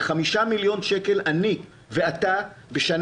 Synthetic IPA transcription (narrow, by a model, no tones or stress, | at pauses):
χamiʃamiljo̞nʃeke̞lʔani | ve̞at̪abeʃan